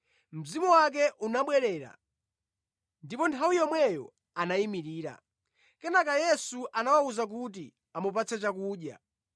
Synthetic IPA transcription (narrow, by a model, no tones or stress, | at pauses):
m̩zimɔwak̬ɛʔunaɓwɛɾɛːɾa̰ | ndipɔntʰawijɔmwɛjɔ̰ | anaimiɾiːɾa̰ | kɛnakajɛsuʔanawauzak̬uti | amup̬at͡sʰɛt͡ʃakuːɗja̰